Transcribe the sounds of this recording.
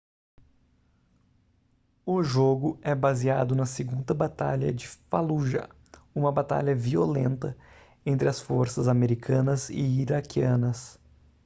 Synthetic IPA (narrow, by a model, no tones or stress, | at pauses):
ʊʒoɡʊɛbaziad̪ʊnɐseɡũnd̪ɐbat̪a̰ʎɐ̰d͡ʒɪfaluʒɐ̰ | ũmɐbat̪a̰ʎɐviolẽnt̪ɐ | ẽnt̪ɾɪɐsfoɾsɐzameɾikʰɐ̃nɐzɪ̰iɾakiɐ̃nɐs